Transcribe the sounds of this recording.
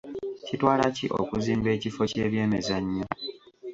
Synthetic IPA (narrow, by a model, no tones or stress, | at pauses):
citwaːlaciʔo̰kuziːmbe̞ːcifo̞ce̞ːβje̞ːmezaɲːo